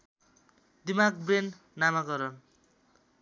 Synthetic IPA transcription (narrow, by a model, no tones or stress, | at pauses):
d̪imak̚brenː | amaɡʌɾʌn